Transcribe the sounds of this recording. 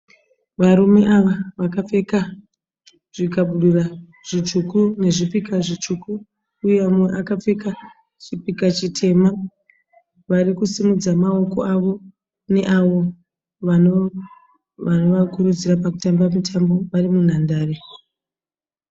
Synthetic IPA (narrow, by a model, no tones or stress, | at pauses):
ʋaɾume̞ʔaʋaʋakap͡fe̞ka | ʐ̥ikaɓuɗura | ʐ̥it͡ʃukune̞ʐipikaʐit͡ʃukuː | jeamweʔakap͡fe̞ka | t͡ʃipikat͡ʃitʰe̞ma | ʋaɾikusimud͡zamao̞ko̞̰ʔaʋo̞ | ne̞ʔaʋo̞ | ʋano | ʋano̞ʋakuɾud͡zirapakutambamitʰambo̞ʋarimun̤andaːre